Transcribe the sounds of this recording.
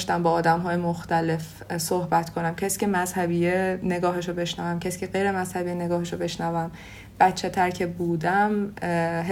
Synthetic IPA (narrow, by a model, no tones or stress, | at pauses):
ʃt̪æmbɒːd̪æmɦɒːjemoxt̪æle̞f | sohbæt̪kʰonæmcʰæsi̥ːcʰe̞mæz̥hæbiːjene̞ɡɒːɦeʃobe̞ʃnævæmcʰæsi̥ːcʰeɢejɾe̞mæz̥hæbijene̞ɡɒːɦeʃobe̞ʃnævæm | b̥æt̪t͡ʃʰːet̪ʰæɾcʰe̞buːd̪æmɦ